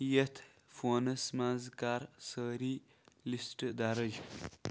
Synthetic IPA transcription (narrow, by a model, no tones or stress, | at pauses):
jet̪ʰ | foːnɐsmanzkaːɾsəːɾi | lisʈd̪aɾəj